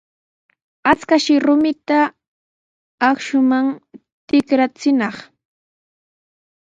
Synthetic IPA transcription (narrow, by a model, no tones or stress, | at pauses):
at͡skaʃɪɾʊmɪt̪a | kʃʊmaŋ | t̪ɪkɾat͡sɪnɑχ